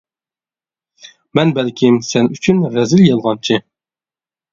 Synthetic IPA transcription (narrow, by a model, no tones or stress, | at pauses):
mɛnbɛlkʲʰɪmsɛnyt͡ʃʰynɾɛzɪljɛlˠʁɑnt͡ʃʰɪ